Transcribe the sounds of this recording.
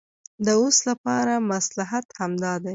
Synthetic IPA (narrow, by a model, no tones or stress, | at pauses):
d̪əoslapɑɾamaslaɦat̪hamd̪ɑd̪aj